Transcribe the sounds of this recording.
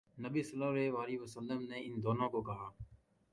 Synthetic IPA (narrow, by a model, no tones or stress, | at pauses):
nəbiːsəlaːɾeʋaːɾiʋəsəlːəmneːɪnd̪oːnõːkokɐɦaː